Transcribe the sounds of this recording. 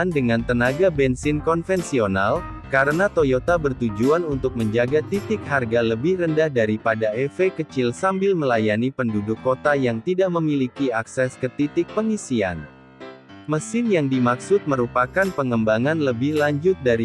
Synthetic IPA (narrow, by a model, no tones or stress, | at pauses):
andəŋant̪ənaɡabɛnsɪnkɔnfɛnsional | kaɾənat̪ojot̪abərt̪ud͡ʒuanunt̪ʊk̚məɲd͡ʒaɡat̪it̪ɪk̚ɦarɡaləbɪhrəndahdaɾipadaɛfekət͡ʃɪlsambɪlməlajanipəndudʊkːot̪ajaŋt̪idaʔməmilikiaksɛskət̪it̪ɪk̚pəŋisia̰n | məsɪnjaŋdimaksʊt̪̚məɾupakanpəŋəmbaŋanləbɪhlaɲd͡ʒʊt̪̚daɾi